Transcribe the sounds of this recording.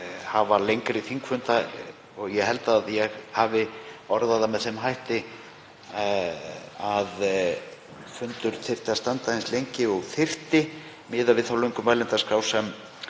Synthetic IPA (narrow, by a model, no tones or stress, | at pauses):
havalejŋkɾɪθiŋkfʏnt̪a | ɔɣjɛɦɛlt̪aːðjɛɣhavɪɔɾðaðamɛðθɛmɦajht̪ɪ | að | fʏnt̪ʏɾ̥θɪft̪ɪast̪ant̪aɪnslejɲcɪɔɣθɪft̪ɪ | mɪːðavɪðθawlœɥŋkʏmvajlɪnt̪askɾaːwsɛm